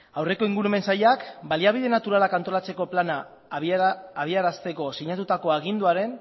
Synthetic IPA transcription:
awre̞ko̞iŋɡuɾume̞nsaʎakbaliaβ̞iðe̞nat̪uɾalakant̪o̞lat͡se̞ko̞plana | βiaɾast̪e̞ko̞siɲat̪ut̪ako̞aɣ̞ind̪uaɾe̞n

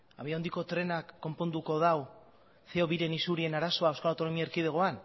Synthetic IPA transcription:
a̰βiand̪iko̞t̪ɾe̞nakːo̞mpo̞nd̪uko̞ðaw | seo̞βiɾe̞nisuɾie̞naɾaso̞aewskalawt̪o̞no̞miaeɾkið̞eɣ̞o̞an

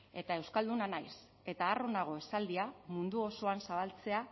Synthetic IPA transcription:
e̞t̪ae̞wskald̪unanajs | e̞t̪aːro̞naɣ̞o̞e̞sald̪iamund̪uoso̞ansaβalt͡se̞a

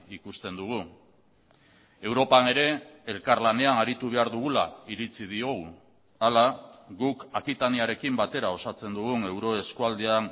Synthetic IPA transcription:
ikust̪e̞nd̪uɣ̞u | e̞wɾo̞pane̞ɾe̞elkaɾlane̞anaɾit̪uβ̞e̞aɾðuɣulaiɾit͡sið̞io̞ɣu | alaɣukakit̪aniaɾe̞kimbat̪e̞ɾao̞sat͡se̞nd̪uɣuŋe̞wɾo̞e̞skuald̪ean

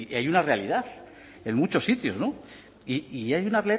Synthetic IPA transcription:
ajunarealiðaθ | enmũt͡ʃo̞sːit̪jo̞zno | iiajunareali

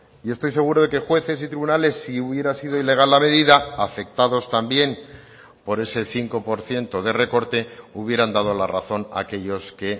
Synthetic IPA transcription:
ie̞st̪o̞js̬e̞ɣ̞uɾo̞ðe̞ke̞xwe̞θe̞s̬it̪ɾiβunale̞sːiuβje̞ɾasiðo̞ile̞ɣ̞alːame̞ðiðaafe̞k̚t̪aðo̞st̪ambje̞m | po̞ɾe̞se̞θiŋko̞po̞ɾθje̞nt̪o̞ð̞e̞re̞ko̞ɾt̪e̞uβje̞ɾand̪að̞olara̰θo̞na̰ke̞ʎo̞ske̞

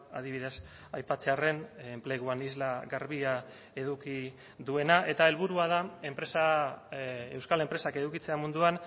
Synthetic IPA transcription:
aðiβið̞e̞s | ajpat͡se̞are̞ne̞mple̞ɣ̞uanizlaɣaɾβia | e̞ðuki | ðue̞naʔe̞t̪ae̞lβuɾuað̞ae̞mpɾe̞sa | e̞wskale̞mpɾe̞sake̞ðukit͡se̞amund̪uan

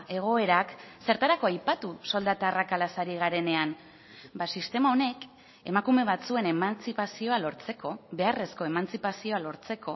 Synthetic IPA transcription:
e̞ɣ̞o̞e̞ɾakse̞ɾt̪aɾako̞ajpat̪uso̞ld̪at̪aːrakalasaɾiɣ̞aɾe̞ne̞an | basist̪e̞mao̞ne̞k | e̞̰makume̞β̞at͡sue̞ne̞mant͡sipasio̞alo̞ɾt͡se̞ko̞βe̞are̞sko̞e̞mant͡sipasio̞alo̞ɾt͡se̞ko̞

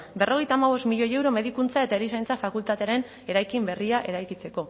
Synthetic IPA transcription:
be̞rʔo̞ɣe̞jt̪aːmaβ̞o̞st̪miʎo̞je̞wɾo̞me̞ðikunt͡sae̞t̪aeɾisajnt͡safakult̪at̪e̞aɾe̞n | e̞ɾajkimbe̞riaʔe̞ɾajkit͡se̞ko̞

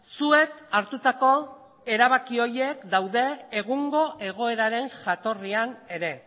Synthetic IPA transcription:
sue̞kaɾt̪ut̪ako̞ | e̞ɾaβ̞akio̞je̞kd̪awðe̞ːɣuŋɡo̞ʔe̞ɣ̞o̞e̞ɾaɾe̞ŋʝat̪o̞riane̞ɾe̞

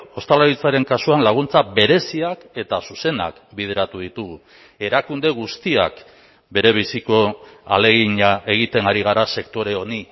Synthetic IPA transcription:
o̞st̪alaɾit͡saɾe̞ŋkasuanlaɣ̞unt͡saβe̞ɾe̞siake̞t̪asuse̞na̰kbið̞e̞ɾat̪uð̞it̪uɣu | e̞ɾakund̪e̞ɣust̪ia̰k | be̞ɾe̞β̞isiko̞a̰le̞ɣiɲaʔe̞ɣ̞it̪e̞ŋaɾiɣ̞aɾase̞kt̪o̞ɾe̞o̞ni

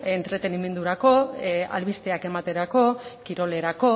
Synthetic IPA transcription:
e̞nt̪ɾe̞t̪e̞nime̞nd̪uɾako̞a̰lβist̪eake̞mat̪e̞ɾako̞kiɾo̞le̞ɾako̞

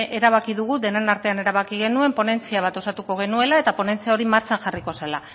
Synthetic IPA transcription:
ʔe̞ɾaβakiðuɣ̞ud̪e̞nenaɾt̪e̞ane̞ɾaβ̞akiɣ̞e̞nue̞mpo̞ne̞nt͡siaβat̪o̞sat̪uko̞ɣ̞e̞nue̞lae̞t̪apo̞ne̞nt͡siao̞ɾimaɾt͡ʃanʝariko̞sela

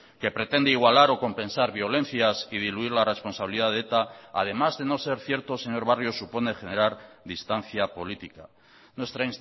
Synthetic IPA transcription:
ke̞pɾe̞t̪e̞nd̪eiɣwalaɾo̞ko̞mpẽ̞nsaɾβjo̞le̞n̟θjasið̞iluiɾlare̞spo̞nsaβiliðaðet̪a̰ːð̞e̞mazðe̞no̞se̞ɾθje̞ɾt̪o̞se̞ɲo̞ɾβ̞arjo̞supo̞ne̞xe̞ne̞ɾaɾðist̪an̟θjapo̞lit̪ika | nwe̞st̪ɾains

